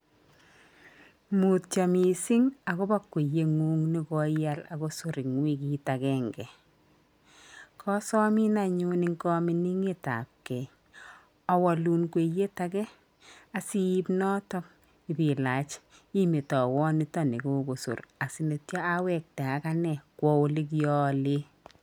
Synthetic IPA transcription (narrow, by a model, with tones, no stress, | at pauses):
mu˨t̚t͡ʃa˨mi˨si˦ŋa˨ko˦ba˦kːwe˨je˦ŋuː˦ŋni˦kɔ˦ja˦la̰˨ko˦sʊ˦ɾɪ˨ŋwi˦ki˦ta˨ɡɛ˦ŋɡɛ˨ | kʰɔ˦sɔ˦mi˦na˨ɲu˦ni˦ŋkɔ˦mi˦ni˦ŋe˦ta̰˨p̚kɛ˨ | ɔ˨wɔ˨lu˨nkwe˨je˦ta˦kɛ˦ | a˨si˦i˦pnɔ˦tɔ˦p | ɪ˨bi˨la˨t͡ʃ | i˦me˨tɔ˨wɔ˦ni˦tɔ˦ne˨ko˦ko˨sṵ˨ɾa˨si˨ne˨tja˦a˦wɛ˨k̚tɛ˨a˨ka˦nɛ˨kwɔ˦o˦li˦k̬jɔ˦le˦